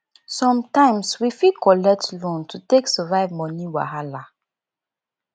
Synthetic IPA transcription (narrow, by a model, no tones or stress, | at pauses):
sɔ̃mtãɪ̃mswifikʰɔlɛk̚tlɔ̃ntʰuteksəvaɪvmɔniwa̰ɦala